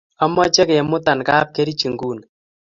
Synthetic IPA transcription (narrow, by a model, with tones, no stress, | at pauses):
a˦mɔ˦t͡ʃɛ˦ke˨ɛ˨mʊ˦t̪a˨nka˦p̚ke˦ɾi˦t͡ʃi˨ŋɡu˦˨n